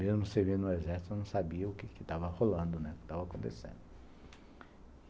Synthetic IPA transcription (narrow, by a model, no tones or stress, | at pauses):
mezmʊsevinʊezɛɾsit̪ʊnɐ̃w̃sabiɐʊkɪkɪt̪avɐholɐ̃nd̪ʊnɛʊkɪ̥t̪avɐakõnt̪ḛsḛ̃nd̪ʊ